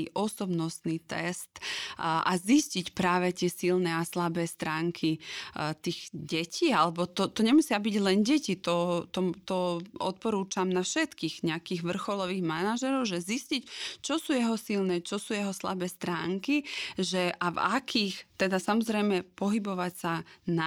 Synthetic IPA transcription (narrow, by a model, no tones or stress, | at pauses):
ʔɔsɔbnɔst̪niːt̪ɛst̪ʔa̰ziscicpɾaːʋɛt̪ɪɛsilnɛːaslabɛːst̪ɾaːŋkʰit̪iːɣɟɛcʰiːalɛbɔt̪ɔt̪ɔɲɛmusɪabiɟlɛnɟɛcit̪ɔt̪ɔt̪ɔɔ̰t̪̚pɔɾuːt͡ʃamnafʃɛt̪kiːɣɲɛakiːɣʋr̩xɔlɔʋiːɣmanaʒɛɾɔʊʒɛziscict͡ʃɔsuːjɛɦɔsilnɛːt͡ʃɔsuːjɛɦɔsla̰bɛːst̪ɾaːŋkiʒɛʔavakʰiːxt̪ɛd̪asamɔzɾɛjmɛpɔɦibɔʋacsana